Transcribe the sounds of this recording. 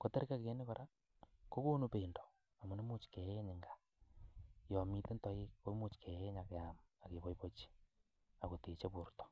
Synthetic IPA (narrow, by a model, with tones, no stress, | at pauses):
ko˨te˦ɾi˦ka˦ke˨˦ne˦ko˨ɾa˦ | ko˦ko˦nu˦pe˨ndo˨ | a˨mo˨ne˦mo˦t͡ʃi̥˨ke˨e˦ɲe˨ŋɡa˨ | jɔ˨mi˦te˦ntɔ˦i˦ko˦mo˦t͡ʃke˨e˦ɲa˨ke˨a˨ma˨ke˨βo˦i˦βo˦t͡ʃi̥˦ | a˨ko˨te˨t͡ʃe˦βu˨ɾto̥˨